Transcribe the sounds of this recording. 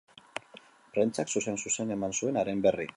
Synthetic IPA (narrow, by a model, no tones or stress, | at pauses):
pɾent͡saksuse̞nsuse̞ne̞mansue̞naɾe̞mbe̞ri